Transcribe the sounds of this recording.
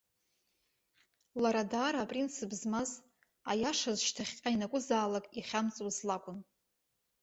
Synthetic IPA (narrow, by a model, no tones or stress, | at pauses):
laɾadaːɾaːpʼrinsʰɨbzmaz | ajaʂazʃtʰaχʲqʲʼainakʷʼʊzaːlakʼiχʲamt͡sʼwzlakʷʼʊn